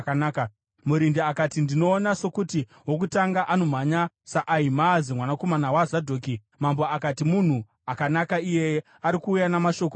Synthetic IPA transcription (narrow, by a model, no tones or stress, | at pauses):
kanaːka | muɾindiakatindino̞ːnaso̞kuti | wok̬utaŋɡaʔano̞m̤aɲa | saʔaimazimwanako̞manawazadʱoːki | mambo̞akatimun̤u | akanakaije̞ | aɾikuːjanamaʃo̞ko